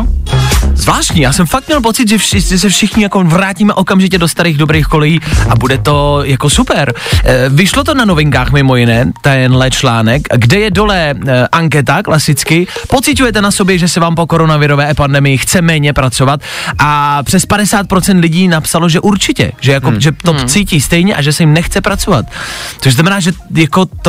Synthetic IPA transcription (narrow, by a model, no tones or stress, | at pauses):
zvlaːʃtɲijaːsɛmfak̚t̪mɲɛlp̬o̞t͡sɪt̪ʒɛʒɛs̬ɛfʃɪxɲɪjako̞vɾaːciːmɛʔo̞kamʒɪcɛdost̪aɾiːɣdo̞bɾeːxko̞lɛjiːʔabudɛt̪o̞jako̞supɛɾvɪʃlot̪o̞nano̞vɪŋkaːxmɪmo̞jɪnɛːt̪ɛnlɛt͡ʃlaːnɛkɡdɛjɛdo̞lɛʔaŋkɛt̪aklasɪt͡skɪpo̞t͡sɪc̬ujɛt̪ɛnaso̞bjɛʒɛsɛvaːmpoko̞ɾo̞navɪɾo̞vɛːɛpandɛmɪjɪxt͡sɛmɛːɲɛpɾat͡so̞vat̪̚ʔapr̥ɛspadɛsaːt̪̚pɾot͡sɛnt̪lɪɟiːnapsalo̞ʒɛʔuɾt͡ʃɪcɛ̰ʒɛjakoʒɛt̪ot͡siːciːst̪ɛjɲɛʔaʒɛsɛjɪmnɛxt͡sɛpɾat͡so̞vat̪̚t͡soʃznamɛnaːʒɛjako̞t̪o